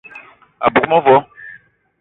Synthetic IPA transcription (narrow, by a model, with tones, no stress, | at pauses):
a̰˨bu˨kmɔ˦vɔ˦